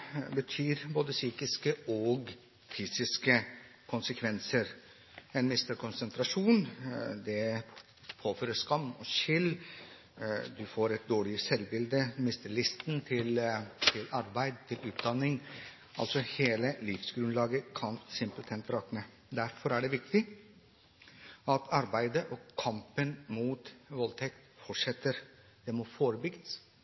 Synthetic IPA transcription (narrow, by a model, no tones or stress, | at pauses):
bət̪ʰyːɾboːd̪əsyːkɪskəɔɡ | fyːsɪskəkʰʊnsəkʰʋɛnsəɾ | ɛnmɪst̪əɾkʰʊnsənt̪ʰɾɑʂuːnd̪ɛ | pʰoːføːɾəʂkɑmːɔʃɪlː | d̪ʉfoːɾɛt̪̚d̪oːɭɪəsɛlbɪld̪əmɪst̪əɭɪst̪n̩t̪ʰɪlt̪ʰɪlɑɾbæɪd̪̚t̪ʰɪlʉːt̪̚d̪ɑnːɪŋ | ʔɑ̰lsɔheːləlɪfsɡɾʉnlɑːɡəkʰɑnsɪmplt̪ʰɛnt̪ɾɑːknə | d̪æɾfɔɾæɖɛʋɪk̚t̪ɪ | ɑt̪ʰɑɾbæɪd̪əʔɔkʰɑmpənmuːt̪ʋɔlt̪ʰɛkt̪fɔʈʂɛt̪ːəɾ | d̪̥ɛmɔfoːɾəbʏɡəs